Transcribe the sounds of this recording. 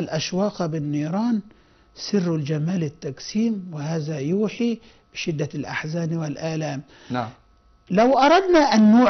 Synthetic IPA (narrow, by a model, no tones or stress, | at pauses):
lʔaʃwɑːqbɪnːiːɾˤɑːn | sɪrːʊld͡ʒamaːlɪt̪ːaksiːmwɪɦaːzajuːħi | b̥ɪʃɪd̪ːalʔaħzaːnwɪlʔaːlaːm | lawʔɑɾˤɑd̪naʔanːuː